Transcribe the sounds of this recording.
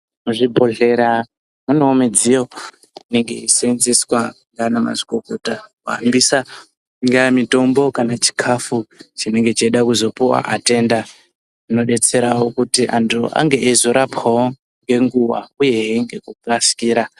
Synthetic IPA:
muʐibʱo̞ɮe̞ɾa | munoːmed͡zijo̞ | ine̞ŋɡe̞isenzeswaŋɡanama̰zi̥koko̞takuɦambisa | ŋɡamito̞mbo̞kanat͡ʃi̥kʰafut͡ʃine̞ŋɡe̞t͡ʃeɗakuzo̞puwa̰ʔate̞nda | uno̞ɗe̞t͡se̞ɾawokutiʔantʰuʔa̰ŋɡe̞ʔezoɾapawo | ŋɡe̞ŋɡuwa̰uje̞ɦiŋɡe̞kukaskiːɾa

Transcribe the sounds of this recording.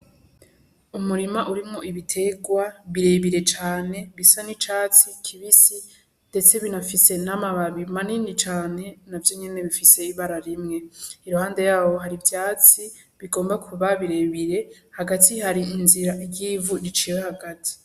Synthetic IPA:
umuɾimaʔuɾimŋo̞ʔiβitʰe̞ɡwaβiɾe̞βiɾe̞t͡ʃaːne̞βisanit͡ʃaːt͡sikʰiβisi | nde̞t͡se̞βinafise̞namaβaβimaniːndit͡ʃaːne̞navjo̞ɲe̞ne̞βifise̞iβaɾaɾimŋe̞iɾuhaːnde̞jaːβo̞ɦaɾivjaːt͡si | βiɡoːmbakʰuβaβiɾe̞βiɾe̞ | haɡatʰihaɾiinziɾaijiːvuɾit͡ʃiwehaɡatʰi̥

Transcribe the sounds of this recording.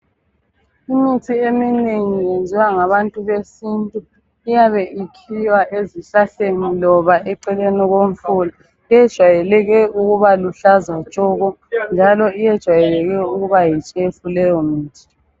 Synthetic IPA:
imitʰiemineŋijend͡zʱiwaŋaβantʼuβesintʼu | ijaβɛʔikʰiwaʔeziɬaɬenilɔβaʔɛǀɛlɛnɔɣoɱ̩fula | ijɛd̥ʒ̥ʱwajɛlɛɣɛʔuɣuβaluɬazwḁt͡ʃʼɔɣɔ | nd͡ʒʱalɔijɛd̥ʒ̥ʱwajɛlɛɣɛuɣuβajit͡ʃʼɛfulɛjɔmiːtʰi̥

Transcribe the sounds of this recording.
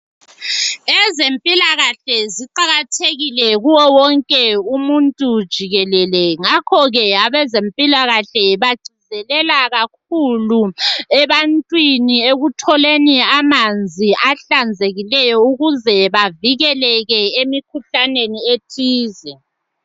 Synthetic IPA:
ɛzempʼilaɣaɬɛziǃaɣatʰeɣilɛɣuwɔwɔŋkʼɛumuntʼud̥ʒ̥ʱiɣɛlɛlɛŋakʰɔɣɛaβɛzempʼilaɣaɬɛβḁɡ͡ǀ̥ʱizɛlɛlaɣak̚uluɛβantʼwinieɣutʰɔleniamand͡zʱiaɬand͡zʱeɣilɛjɔuɣuzɛβaviɣɛlɛɣɛemikʰuɬanenietʰiːzɛ

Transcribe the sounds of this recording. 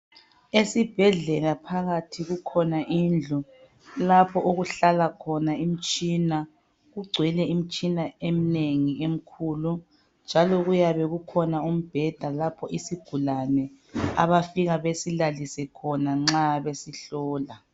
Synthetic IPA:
esib̥ʱɛɮɛlapʰaɣatʰiɣukʰɔnaʔind͡ɮʱu | lapʰɔʔoɣuɬalakʰɔnaim̩t͡ʃʼina | ɣuɡ͡ǀʱwɛlɛim̩t͡ʃʼinaem̩neŋiem̩kʰuːlu | nd͡ʒʱalɔɣujaβɛɣukʰɔnaum̩b̥ʱɛd̥ʱalapʰɔʔisiɡ̥ʱulanɛ | a̰βafiɣaβesilalisɛkʰɔnaŋ͡ǁaβesiɬɔːla

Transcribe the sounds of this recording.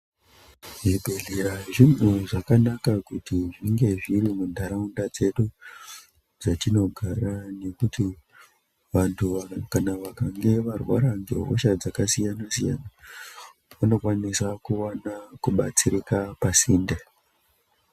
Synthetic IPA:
ʐibʱeɮeɾaʐin̤uʐakanakakutiʐiŋɡe̞ʐiɾimundʱaɾaundad͡ze̞ɗu | d͡zatino̞ɡʱarane̞kuti | ʋantʰukanaʋakaŋɡe̞ʋarwa̰ɾaŋɡḛɦo̰ʃad͡zakasijanasija̰na | ʋano̞kwanisakuanakuɓat͡siɾikapasiːnda

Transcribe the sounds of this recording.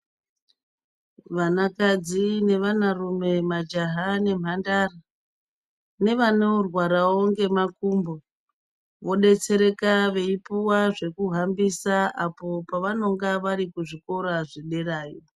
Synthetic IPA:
ʋanakad͡zine̞ʋanarume̞mad͡ʒaɦane̞m̤andara | ne̞ʋaneurwaɾaoŋɡe̞makumbo | ʋo̞ɗe̞t͡se̞ɾe̞kaʋe̞ipuwaʐe̞kuɦambisaapo̞paʋano̞ŋɡaʋaɾikuʐiko̞ɾaʐiɗe̞raːjo

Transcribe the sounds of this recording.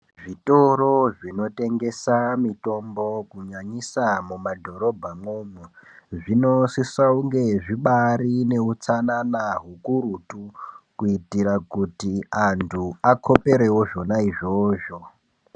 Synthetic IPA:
ʐitoro̞ʐino̞te̞ŋɡe̞samito̞mbo̞kuɲaɲisamumadʱo̞ɾo̞bʱamoːmuʐino̞sisauŋɡe̞ʐiɓaɾine̞ut͡sananaɦukuɾutukuitiɾakutiantʰuakʰo̞pe̞ɾe̞wo̞ʐo̞naiʐo̞ːʐo̞

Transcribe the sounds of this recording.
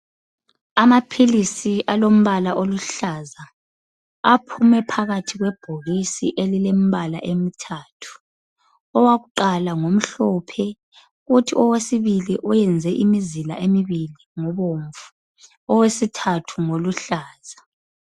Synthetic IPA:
amapʰilisiʔalom̩βalaʔoluɬazaː | pʰumɛpʰaɣatʰiɣwɛb̥ʱoɣisḭʔelilem̩βala̰ʔemitʰaːtʰu̥ | ɔwaɣuǃalaŋom̩ɬɔpʰɛ | ɣutʰiɔwesiβiliʔɔjɛnd͡zʱɛʔimizila̰ʔemiβiliŋɔβoɱvu̥ | ɔwesitʰatʰuŋoluɬaːz̥a

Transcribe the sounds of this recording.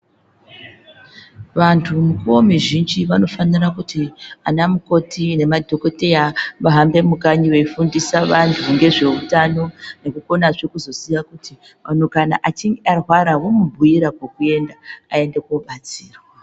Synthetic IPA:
ʋantʰumukuwomiʒind͡ʒiʋano̞fanirakutianamuko̞tʰine̞madʱo̞ko̞te̞jaʋaɦambe̞mukaɲiweifundisaʋantʰuŋɡe̞ʐe̞utano̞ne̞kuko̞naʐekuzo̞sijakuti | manokana̰ʔat͡ʃiŋɡearwaɾawomubʱuiɾakwekue̞ndaae̞nde̞koɓat͡siːrwa

